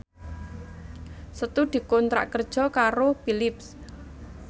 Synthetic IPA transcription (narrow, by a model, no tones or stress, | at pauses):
sət̪ud̪̥i̤kɔnt̪ɾa̰ʔkərd̥ʒ̥ɔ̤kaɾopilɪps